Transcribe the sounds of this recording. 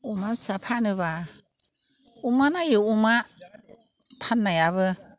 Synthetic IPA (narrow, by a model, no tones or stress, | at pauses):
umasapʰanɯβa | umanajɯuma | pʰanːajaβɯ